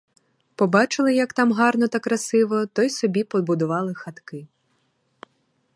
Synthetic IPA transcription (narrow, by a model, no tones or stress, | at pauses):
pɔbɑt͡ʃɪlˠɪjɐkt̪ɑmɦɑrnɔt̪ɐkɾɐsɪʋɔt̪ɔjsɔbʲipɔbʊd̪ʊʋɑlˠɪxɐt̪kɪ